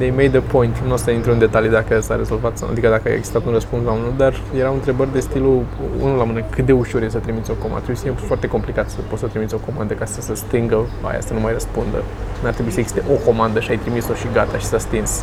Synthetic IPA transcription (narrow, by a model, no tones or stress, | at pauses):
d̪ejmejd̪əpʰo̞jint̪nuost̪anint̪eund̪e̞t̪alijd̪akəsaɾe̞zo̞lvat̪a̰d̪ikəd̪akəa̰jḛɡzi̥st̪at̪unrəspunslamɨned̪ar | jeɾaunt̪ɾe̞bərʲd̪e̞st̪iluṵnulamɨnekʰɨt̪̚d̪e̞uʃurjesət̪ɾimit̪sʲo̞koma̰t̪ɾebiesəfijemfoart̪e̞ko̞mplikat̪səpot̪sət̪ɾimit̪sʲo̞ko̞mand̪əkasəsəst̪ɨŋɡəa̰ja̰sənumajrəspund̪ə̰ | nart̪ɾebuisəeɡz̥i̥st̪eʔo̞ko̞mand̪əʃiajt̪ɾimiso̞ʃiɡat̪aʃi̥sast̪ins